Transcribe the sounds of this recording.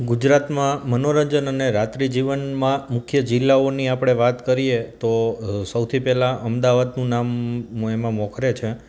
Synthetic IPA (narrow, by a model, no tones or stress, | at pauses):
ɡud͡ʒɾat̪mãmənoɾəɲd͡ʒənəneɾat̪ɾid͡ʒiʋənmãmʊkʰjəd͡ʒɪlːaoniapɽ̃eʋat̪kəɾiet̪osəwt̪ʰipɛlãʔəmd̪aʋad̪nũnamemãmɔ̃kʰɾet͡ʃʰe